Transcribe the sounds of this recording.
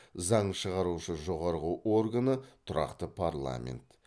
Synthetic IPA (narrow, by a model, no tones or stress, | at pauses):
zɑɴʃəʁɑɾuʃəʒo̞ʁɑɾʁəʔo̞rɡanət̪ʰʊɾʔɑ̰qt̪əpʰarlˠa̰mʲḛnt̪